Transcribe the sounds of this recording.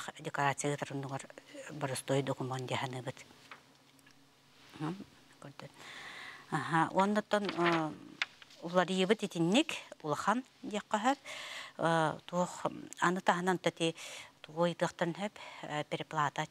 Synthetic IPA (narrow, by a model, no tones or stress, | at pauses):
d̪ʲɛkaɾaːt͡ssijaɣɯt̪aɾunːuɡaɾbaɾɯst̪uɔjd̪ɔkumɔnd̪iɛɦanɯːbɯt̪ | ɦ | kœɾd̪œn | aɦaʔṵɔnːɔt̪ːɔn | ulˠaɾijɯbɯt̪it̪inːikulˠaχan | d̪iɛqːœɦœp | t̪uɔχa̰nɯt̪aɦɯnant̪ːat̪it̪uujɯt̪ɯɐχt̪œɾnɦɛppʲɛɾʲiplˠaːt̪a